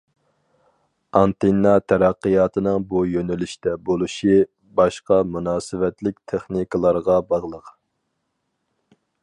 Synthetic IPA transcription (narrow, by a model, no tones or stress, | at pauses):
ɑnt̪enːɑt̪ʰæɾæqːəjɑːt̪ʰɨnɨŋbujønɪlɪʃt̪ɛbolˠuʃi | bɑʃqɑmunɑːsɨvɛt̪lɪk̚ʲt̪ʰeχnikəlˠɑɾʁɑbɑʁlˠəq